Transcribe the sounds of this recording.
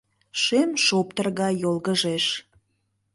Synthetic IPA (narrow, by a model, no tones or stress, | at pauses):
ʃemʃopt̪ərɣɑjolɣəʒeʃ